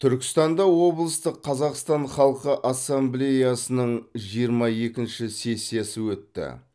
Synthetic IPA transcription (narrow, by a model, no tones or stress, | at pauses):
t̪ʰʏɾkʲɪ̥st̪ɑnd̪ɑwo̞blˠəst̪əqʰːɑzɑqst̪ɑɴχɑlˠqəʔɑsːamblʲejɑsənəɴʒijəɾmɑje̞kʲɪnʃɪse̞sːijesɪwɵt̪ːɪ̰